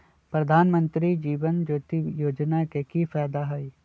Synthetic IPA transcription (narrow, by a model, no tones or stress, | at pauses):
pɾɐd̪ʱaːnmə̃nt̪ɾid͡ʒiːʋənd͡ʒoːt̪ijoːd͡ʒnakekifɛːd̪aɦɐi